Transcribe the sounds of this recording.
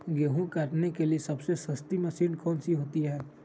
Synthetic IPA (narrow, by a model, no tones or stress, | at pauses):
ɡeɦũkaːʈnekeliesɐbsesəst̪iməsiːnkɔːnsiɦoːt̪iɦɛː